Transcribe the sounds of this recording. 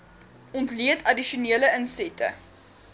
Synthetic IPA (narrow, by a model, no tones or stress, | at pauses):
ɔntliətʰɐdiʃuniələənsɛtʰə̰